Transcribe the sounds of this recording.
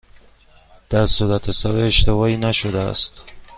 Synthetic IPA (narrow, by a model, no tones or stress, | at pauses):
d̪̥æɾsuɾæt̪ʰesɒːɾeeʃt̪e̞vɒːiːnæʃod̪eæ̰st̪